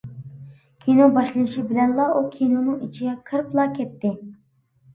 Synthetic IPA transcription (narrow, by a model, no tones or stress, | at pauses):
kʲʰinobɑʃlˠɨnɨʃibɪlɛnlˠɑʔukʲʰinonɨŋit͡ʃʰiɡʲɛkʰəɾplˠɑkʲʰɛt̪ːɪ